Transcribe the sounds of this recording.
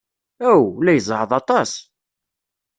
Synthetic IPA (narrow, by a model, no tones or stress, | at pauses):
æwlæjəzˤʕəðˤɑt̪ˤɑs